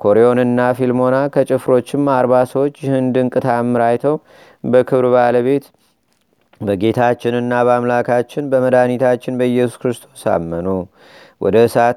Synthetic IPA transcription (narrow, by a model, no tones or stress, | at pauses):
kʰo̞ɾeo̞nɨnːafilmo̞nakʰət͡ʃʼɪfɾo̞t͡ʃːɪmaɾβasəwot͡ʃːjɪhɨnd̪ɨŋkʼɨt̪ʰamːɨɾajt̪ʰəw | bəkʰɨβɾbaləβe̞t̪ | bəɡe̞t̪ʰat͡ʃːɪnɨnːabəamlakʰat͡ʃːɪnbəməd̪anit̪ʰat͡ʃːɪnbəjɛsuskɾɨst̪ʰo̞sa̰mːəno | wʔɔ̰d̪əɨsat̪